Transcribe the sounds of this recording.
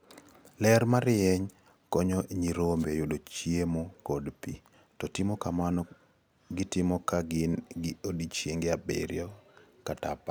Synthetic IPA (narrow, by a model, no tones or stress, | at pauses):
lɛɾmaɾɪɛɲ | kɔɲɔɲiɾombejudot͡ʃiemokɔdpḭ | tɔtɪmɔkamanɔ | ɡɪtɪmɔkaɡɪnɡɪodit͡ʃjeŋɡeabḛɾjɔkatapa